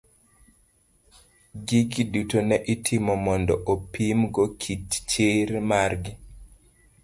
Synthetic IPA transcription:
ɡiɡidutonɛʔitʰimɔmɔndɔʔopimɡɔkʰitt͡ʃeɾmarɡi

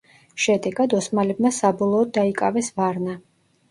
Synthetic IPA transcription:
ʃɛd̪ɛɡad̪ɔsmalɛbmasabɔlˠɔːd̪̚dːaikʼavɛsvaɾna

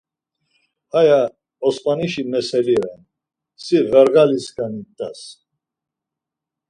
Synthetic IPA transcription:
aja | ɔspʼaniʃimɛsɛliɾan | sivɛɾɡaliskʰanit̪ʼa̰s

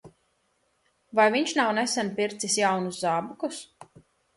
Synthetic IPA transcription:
vajviɲʃnawnɛsɛnpiɾt̪sisjawnuszaːbukus

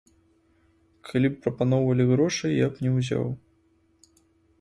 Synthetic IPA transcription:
kʰalʲipːɾɐpanɔwvɐlʲiɣɾɔʂɨjjapnʲɛwzʲa̰w

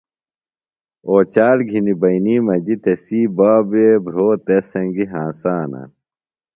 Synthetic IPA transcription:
oːt͡ɕaːɾɡʱinibɐiniːmɐd͡ʑit̪esiːbaːbebʱɾoːt̪esɐ̃ŋɡiɦãːsaːnɐ̰

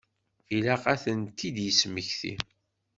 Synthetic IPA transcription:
ilæqæθənt̪ːid̪jəsməçθḭ

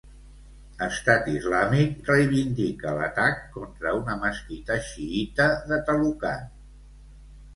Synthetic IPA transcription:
əst̪at̪izlamik̚rəjβind̪ikələ̰t̪akːɔnt̪ɾəunəməskit̪əʃiit̪əðət̪əlukan

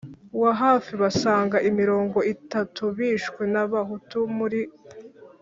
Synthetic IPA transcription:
waɦaːfiβasaːŋɡaʔimiɾo̞ːŋɡo̞itatuβiːʃkwe̞naβaɦutumuɾi

